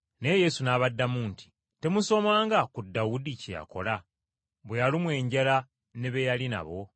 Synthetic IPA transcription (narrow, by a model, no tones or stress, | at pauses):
ne̞je̞sunaːβadːamuːnti̥ | te̞muso̞maːŋɡakudːawudiceja̰ko̞̰la | βwejalimwe̞ːɲɟala | ne̞βe̞jalina̰βo̞